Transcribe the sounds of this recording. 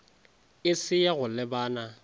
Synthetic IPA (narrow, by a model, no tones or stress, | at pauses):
ɪsɪjaɣʊlɪbaːna